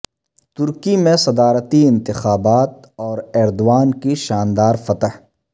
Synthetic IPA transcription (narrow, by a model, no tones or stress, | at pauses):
t̪ʊɾkimẽsɐd̪aːɾət̪iɪ̃nt̪ɪxaːbaːt̪̚ | ɔːɾɛːɾd̪owaːnkiʃaːnd̪aːɾfɐt̪əɦ